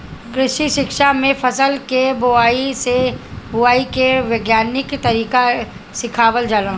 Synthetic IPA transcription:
kɾɪʃiʃɪkʃamẽfɐsəlkebʊaːisebʊaːikeʋeːɡjaːnɪkt̪ɐɾiːka | sɪkʰaːwəld͡ʒaːlã

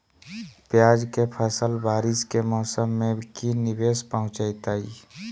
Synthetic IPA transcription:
pjaːd͡ʒkepʰəsəlbaːɾɪskemɔːsəmːẽkinɪbeːspəɦʊ̃t͡ʃajt̪aːiː

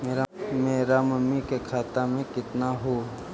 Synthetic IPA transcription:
meːɾameːɾamɐmːikekʰaːt̪amẽkɪt̪naɦo

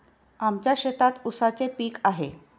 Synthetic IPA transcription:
amt͡ɕjaɕet̪at̪usat͡sepiːkaɦḛ

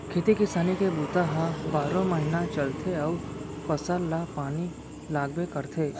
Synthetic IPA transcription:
kʰet̪ikɪsaːnikebuːt̪aɦãbaːɾõməɦɪnat͡ʃɐlt̪ʰeɔː | pɐsəlːapaːni | laːɡbekɐɾt̪ʰeː

